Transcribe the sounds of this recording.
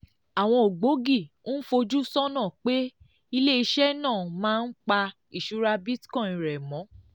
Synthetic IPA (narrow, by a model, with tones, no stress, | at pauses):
a˨w̃ɔ̃˧o˨ɡ͡bo˨˦ɡi˦˨˦fo˧d͡ʒu˦sɔ˦nã˦˨k͡pe˦ | i˧le˦i˧ʃɛ˦nãː˦˨mãː˦n̩˦k͡pa˧ | i˨ʃu˦ɾa˧bi˦tkɔ̃˦˨ĩ˨ɾɛ˨mɔ̃˨˦